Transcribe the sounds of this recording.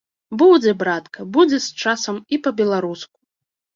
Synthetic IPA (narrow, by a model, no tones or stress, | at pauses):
bud͡zʲɛbɾat̪kʰɐbud͡zʲɛst͡ʂasɐmipɐbʲɛlˠaɾusku̥